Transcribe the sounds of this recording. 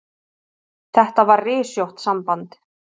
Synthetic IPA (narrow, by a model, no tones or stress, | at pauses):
θɛht̪avaɾrɪːsjowht̪sampant̪